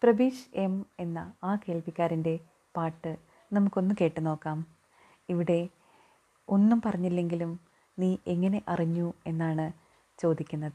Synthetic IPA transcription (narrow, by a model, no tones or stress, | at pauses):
prɐbiːɕe̞me̞nːɐaːke̞ːlpikʲːaːɾinde̞ | paːʈːɨ | nɐmukːo̞nːumke̞ːʈːɨno̞ːkːaːm | iʋiɽe̞ | o̞nːumpɐrɐɲːilːe̞ŋɡilum | niːʔe̞ŋːɐne̞ʔɐriɲːue̞nːaːɳɨ | t͡ɕo̞ːd̪ikʲːunːɐðɨ